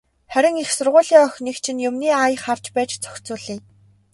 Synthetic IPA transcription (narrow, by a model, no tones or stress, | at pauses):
χæɾʲɪ̆ŋixsʊrʁʊːɮiːŋœxʲnikt͡ɕʰɪ̆njʊmniːaj̆χar̥t͡ɕpæːt͡ɕt͡sœ̥xʲt͡suːɮiː